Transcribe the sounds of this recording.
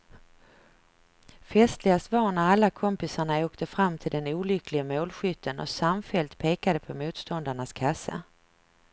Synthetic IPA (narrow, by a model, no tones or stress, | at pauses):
fɛst̪lɪɡast̪vɑːɳaɾalːakʰɔmpɪsaɳaoːkt̪ʰəfɾamːt̪ʰɪld̪ɛnuːlʏklɪɡamoːlɧʏt̪ʰːənɔ̰samfɛlt̪pʰeːkad̪əpʰɔmuːt̪st̪ɔnd̪aɳaskʰasa̰